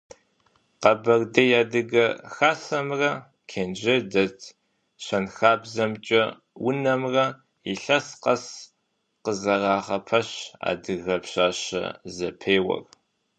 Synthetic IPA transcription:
qɐbɐrdɐjaːdɨɣɐxaːsɐmrɐ | kʰeːnd͡ʒɐdɐtʰ | ɕɐnxaːbzɐmt͡ʃʼɐ | wʊnɐmrɐ | iɬɐsqɐs | qəzɐraːχɐpʰɐɕa̰ːdɨɣɐpɕaːɕɐ̰zɐpʰeːwɐ̰r

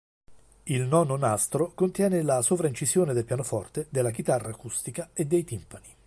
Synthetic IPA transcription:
ilnɔnonast̪ɾokont̪jɛːnelasovɾaint͡ʃizjoːned̪elpjaːnofɔrt̪ed̪elːak̟it̪arːaːkust̪ikaed̪ːejt̪impani

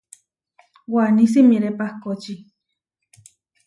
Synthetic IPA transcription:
wanĩs̬imiɾepahkot͡ʃi

